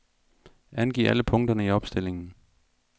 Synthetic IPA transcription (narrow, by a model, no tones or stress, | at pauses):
ænɡ̥ḭːʔæləpʰɔ̽ŋd̥ɐnəiɒ̽b̥sd̥e̝l̰e̝ŋn̩